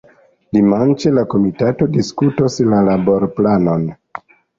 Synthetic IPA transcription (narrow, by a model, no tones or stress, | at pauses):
dimant͡ʃelako̞mitato̞diskutoslalabo̞ɾplano̞n